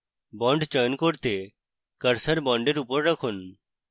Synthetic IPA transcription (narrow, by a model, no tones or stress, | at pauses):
bɔ̃ɳɖt͡ʃəːnkoɽt̪e | kəɾsəɾbɔ̃ːɳɖeɾupəɾɾəkʰʊn